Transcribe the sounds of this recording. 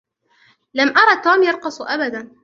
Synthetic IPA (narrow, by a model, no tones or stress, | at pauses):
lamʔɑɾˤɑt̪ːuːmjɑɾˤqɑsˤʔabad̪an